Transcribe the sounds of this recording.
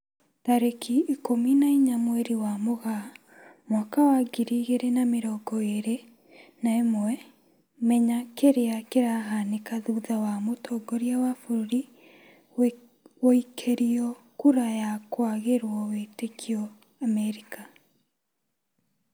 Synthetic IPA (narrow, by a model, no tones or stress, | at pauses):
taɾekʰiikominaiɲamwɛɾiwamoɣa | mwakawaɡiɾiɣeɾenameɾɔɡɔeɾe | naemwɛ | mɛɲakeɾeakeɾaɦanekaðuðawamotʰɔɡɔɾjawafoɾoɾi | woikʰeɾiɔ | kuɾajakwaɣeɾwɔwetekʰiɔ | amɛɾika